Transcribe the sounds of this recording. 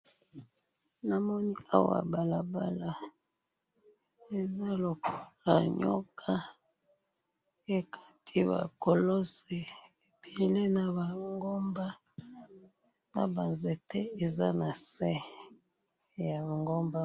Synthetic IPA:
na˨mɔ˦ni˦a˦wa̰˨ba˨la˨ba˦la˨ | e˨za˦lo˨ku˨la˨ɲo̰˦kʰa˦ | e˦kʰa˦tʰi˦βa̰˨ko˨lo˦se˨e˨be˨le˦na˨ba˨ŋɡo˦mba˦ | na̰˨ba˨nze˨te˦e˨za˦na˨sɛ˦ | ja˨ŋɡo˦mba˦

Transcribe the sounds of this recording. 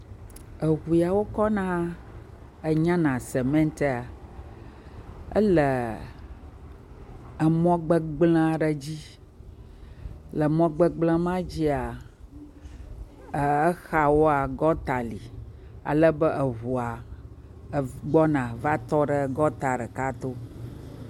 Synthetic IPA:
ə˨ɣu˨ja˨wo˦kɔ˦nã˦ | ə˨ɲã˦nã˨se˨mɛ̃˦n˦t̪e˦a˨ | ə̰˦lə˨ | ə˨mɔ̃˦ɡ͡bə˦ɡ͡bl̃ã˦ɖə˨d͡ʑi˦ | lə˨mɔ̃˦ɡ͡bə˦ɡ͡blã˦mã˦d͡ʑi˦a˨ | ə˨ə˦xa˨wo˦a˨ɡɔ˦t̪a˨li˨a̰˨lə˦bə˦ʔə˨ɦu˨a˨ | ɡ͡bɔ˦nã˨va˦t̪ɔ˦ɖə˦ɡɔ˦t̪a˨ɖə˨ka˦t̪o˦

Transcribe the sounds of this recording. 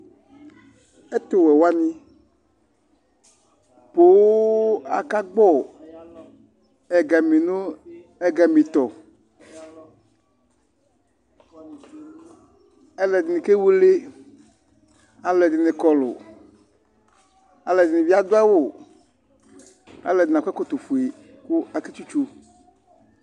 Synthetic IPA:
e˦t̪o˨wɛ˨wa˦nĩ˦ | po˦wa̰˨ka˦ɡ͡bɔ˦˨ | ɛ˨ɡa˨mĩ˨no˦ | ɛ˦ɡa˨mĩ˨t̪ɔ˨ | ɛ˦lɛ˨dɪ˨nɪ̃˨ke˦wu˦le˦ | a˨lɛ˨dɪ˨nɪ˨kɔ˨lʊ̰˨ | a˨lɛ˨dɪ˨nɪ˨vi˦a˦d̪ʊ˦a˦wo˨ | a̰˨lɛ˨dɪ˨nã˨kʷɛ˦kɔ˦t̪o˨fu˨e˨ | ku˦a˨ke˦t͡ʃu˦t͡ʃu˦

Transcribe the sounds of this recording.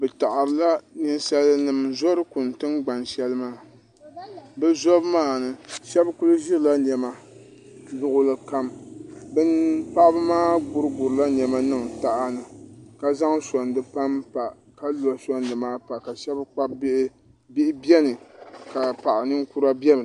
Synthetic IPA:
bɛ˨ta˨ʔa˨ɾɨ˨la˦ni˦nsa˦lnɨ˨mzɔ˦ɾɨ˦kʊ˨n˨tɨ˦nɡ͡ba˨nʃɛ˦lɨ˦maː˦ | bɛ˦zɔ˦bmaː˦nɨ˦ʃɛ˦bkʊ˦lɨ˦ʒɪ˦ɾla˦n˨ɛ˨ma˦ | zʊ˦ʔʊ˦lɨ˦ka˦mbɨ˦npa˦ʔbɨ˦maː˦ɡʊ˦ɾɨ˦ɡʊ˨ɾɨ˨la˦n˨ɛ˨ma˦nɨ˦ŋta˦ʔa˦nɨ˨ka˦za˦ŋsɔ˨ndɨ˨pa˦mpa˨ | ka˦lɔ˨sɔ˦n˦dɨ˨maː˦pa˨ka˨ʃɛ˦bk͡pa˦ | bɪ˦ʔɪ˦bjɛ˦nɨ˨ka˨pa˨ʔa˨nɨ˦nku˦ɾa˦bɛ˦bɨ˨

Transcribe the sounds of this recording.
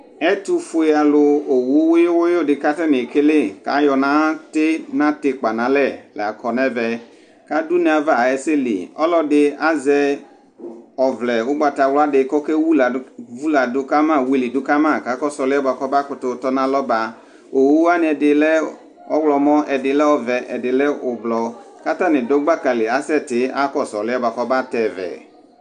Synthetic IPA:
ɛ˦tʊ˦fʊ˦e˨a˨lʊ˧o˨wu˦wʊ˦jʊ˦wʊ˦jo˦˨dɪ˨ka˦tɛ˦nɪ˨kɪ˦lɪ˦ka̰˨˦jɔ˨nã˨˦tɪ˦nã˦tɪ˨k͡pa˨nã˨˦lɛ˦˨lɛ̰˨a˨kʰɔ˨nɛ˦vɛ˨ | ka˦du˦ne˨a˨va˨ɛ˨˦sɪ˦lḭ˨ɔ˦lɔ˦dɪ˦a˦zɛ˦ | ɔ˨vlɛ˨wʊ˦ɡ͡ba˨ta˨wlɔ˦a˦dɪ˨kɔ˦kɛ˦wu˦lvu˦la˨dʊ˦ka˦mã˦˨wi˦li˨dʊ˦ka˦mã˦˨ka˨˦kɔ˦sɔ˨lɪ˦ɛ˦ba˨kɔ˦ba˦kʊ˨tʊ˨˦tɔ˦nã˦lɔ˦ba˨ | o˨wu˦a˦nɪ˨ɛ˨dɪ˨lɛ˦ | ɔ˦wlɔ˨mɔ̃˦ɛ˨dɪ˨lɛ˦ɔ˦vɛ˨ʔɛ˨dɪ˨lɛ˦ʊ˨blɔ˨ | ka˦ta˦˨nɪ̃˨do˦ɡ͡ba˦ka˨lɪ˨a˦sɛ˦˨tɪ˨˦a˦kɔ˦˨sɔ˨lɪ˦ɛ˦ba˨kɔ˦ba˦tɛ˨vɛ̰˨

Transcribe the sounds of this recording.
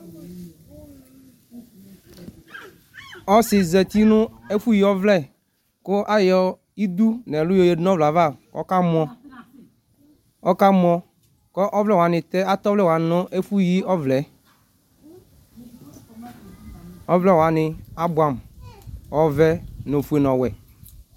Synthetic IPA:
ɔ˦sɪ˨zɛ˨t̪i˦nʊ̃˦e˦fu˦ji˦ɔ˦vlɛ˦˨ | kʊ˦ʔa˦jɔ˨ | i˦d̪u˦nɛ̃˨lʊ˦jo˦˨je˨dnɔ̃˦vla˨va˦˨ɔ̰˦ka˦mʊ̃˦ɔ˦ | ɔ˦ka˦m˦ɔ˦ | kɔ˦ʔɔ˦vlɛ˦wa˨nɪ̃˨t̪ɛ˦a˦t̪ɔ˦vlɛ˦˨wa˨nʊ̃˦ʔe˦fu˦ji˦ɔ˦vlɛ˨˦ | ɔ˦vlɛ˦˨wa˨nɪ̃˨a˦bʊ˨a˨m | ɔ˨vɛ˦no˨fu˨e˨nɔ̃˨wɛ˨

